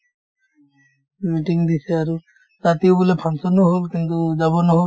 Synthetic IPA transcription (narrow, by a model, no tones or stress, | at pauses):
miʈiŋd̪iseaɾu | zat̪iobulepʰansɔnɔɦolkint̪ud͡ʒaβɔnɔɦo